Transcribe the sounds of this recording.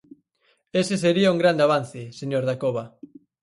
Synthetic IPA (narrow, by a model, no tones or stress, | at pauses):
eseseɾiauŋɡɾand̪eaβan̟θeseɲoɾðakoβa